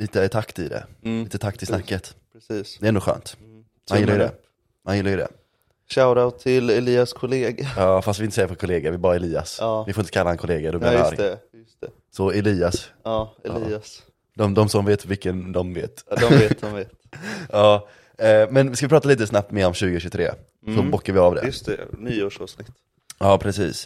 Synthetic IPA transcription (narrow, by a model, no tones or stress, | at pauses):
liːt̪ət̪ʰakt̪ɪ̰d̪ɛ̰liːt̪ət̪ʰak̚ːt̪ʰɪsnakːət̪pɾɛsiːsɛɾɛnʊːɧø̰ːnt̪ | manɪlːajd̪ɛ̰ | manjɪlːaɾjʏd̪ɛ̰ | ɕaʊɾaʊt̪ʰːɪlɛliːaskʰʊleːɡaɑːfast̪vɪnsɛjːəfʰɔɾkʰʊleːɡaɾvɪɛbɑːɾaɛliːa̰sɑvɪfoːɾɪnt̪ə̥kalːahɛnkʰʊleːɡad̪ɔblɪaa̰ːɾɛjst̪ɛ | sɔɛliːasɑːɛliːas | d̪ɔmd̪ɔmsɔmveːt̪vɪkːənd̪ɔmvḛːt̪d̪ɔeːd̪ɔmveːt̪ɑː | mɛnvɪskavɪpʰɾɑːt̪aliːt̪əsnap̚t̪mɛɾɔmɕʉ̟ːɡɪɕɵt̪ʰɾḛː | sɔbɔkːaɾvɪavd̪ɛ̰ɵst̪ɛ̰nyːoːʂɑːvsnɪt̪ː | ɑːpʰɾɛsḭːs